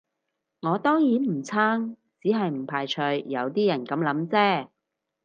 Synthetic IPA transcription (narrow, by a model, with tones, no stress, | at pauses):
ŋɔː˨˧t̪ɔː˥ŋjiː˨˥nm̩˨˩t͡sʰaː˥ŋ | t͡siː˨˥ɦɐ˨jm̩˨˩pʰaː˨˩jt͡ʃʰɵ˧ɥjɐ˨˧wt̪iː˥jɐ˨˩nkɐ˨˧mlɐ˨˥mt͡sɛː˥